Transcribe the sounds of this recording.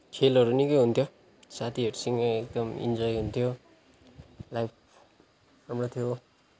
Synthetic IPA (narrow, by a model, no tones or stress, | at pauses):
kʰelʌɾunikʌjɦunt̪ʰjo | sat̪ʰiɦeʈsiŋaek̚d̪ʌmḭnd͡zʌjɦunt̪ʰjo | lajp | sʌmɽʌt̪ʰjo